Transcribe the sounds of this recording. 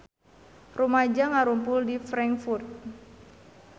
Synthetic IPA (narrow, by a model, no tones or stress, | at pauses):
rumad͡ʒaŋaɾumpʊldifɾaŋkfurt̪̚